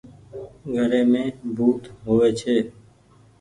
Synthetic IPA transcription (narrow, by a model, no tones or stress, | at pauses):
ɡʱəɾeːmẽːbʱuːt̪ɦoːʋeːt͡ʃʰeː